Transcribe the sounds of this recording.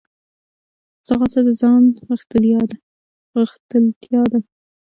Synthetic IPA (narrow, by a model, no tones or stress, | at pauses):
saɣasad̪əzɑnɣəxt̪əljɑd̪a | ɣəxt̪əlt̪jɑd̪a